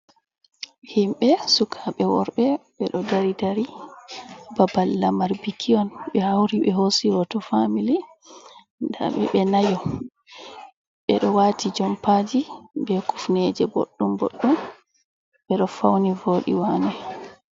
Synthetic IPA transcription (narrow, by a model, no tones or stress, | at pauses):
himɓɛsukʰaɓɛwɔ̰ɾɓɛɓɛɗɔdaɾidaɾi | babalːamaɾbikʰiɔnɓɛhawɾiɓɛɦosiɾɔtɔfamili | nda̰ɓɛ̰ɓɛnajɔ | ɓɛɗɔwatʰid͡ʒɔmpad͡ʒibɛku̥fnɛd͡ʒɛbo̰ɗːumbo̰ɗːum | ɓɛɗɔfawnivoːɗḭwanɛ